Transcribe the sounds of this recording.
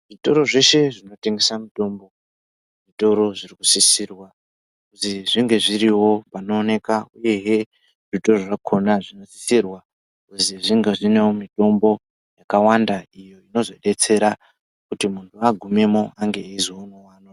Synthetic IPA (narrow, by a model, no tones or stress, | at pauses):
ʐito̞ɾo̞ʐe̞ʃe̞ʐino̞te̞ŋɡe̞samito̞mbo̞ | ʐito̞ɾo̞ʐiriku̥sisiːrwa | kuziʐiŋɡe̞ʐiɾiwo̞pano̞ːne̞kauje̞ɦe | ʐito̞ro̞ʐakʰo̞naʐino̞si̥sirwa | uziʐiŋɡeʐine̞womito̞mbo̞ | jakawandaijo̞ino̞zo̞ɗe̞t͡se̞ɾa | kutimuntʰuaɡʱume̞mo̞aŋɡe̞eziwounowaːno